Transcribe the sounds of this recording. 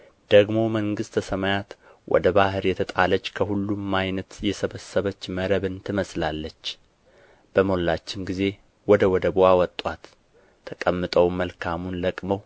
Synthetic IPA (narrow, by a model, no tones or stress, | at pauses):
d̪̥əɡmo̞məŋɡɨst̪ʰəsəmajat̪ | wʔɔ̰d̪əbahɨɾjɛt̪ʰət̪ʼalət͡ʃːkʰəhulːumajnət̪jɛsəβəsːəβət͡ʃːməɾəβɨnt̪ʰɨməslalːət͡ʃː | b̥əmo̞lːat͡ʃːɪmɡize̞ | wɔd̪əwɔd̪əbowawɔt̪ʼːat̪ʰː | əkʼəmːɨt̪ʼəwməlkʰamunləkʼməw